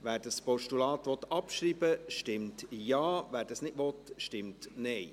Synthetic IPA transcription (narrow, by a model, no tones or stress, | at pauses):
ʋæːɾdɑspɔʃtulɑːt̪ʋɔt̪ɑpʃɾiːbəʃtɪmtjɑːʋæːɾd̥ɑsnɪtʋɔt̪ʃtɪmtnɛɪ